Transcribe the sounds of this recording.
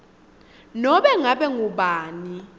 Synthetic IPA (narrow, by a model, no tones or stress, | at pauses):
nɔɓɛŋaɓɛŋuɓaːni